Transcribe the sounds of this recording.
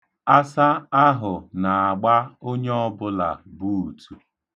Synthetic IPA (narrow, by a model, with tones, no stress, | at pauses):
a˦sa˦a˦ɦʊ˨na˨a˨ɡ͡ba˦o˦ɲe˦ɔ˦bʊ˦la̰˨bu˦u˨tʰu˨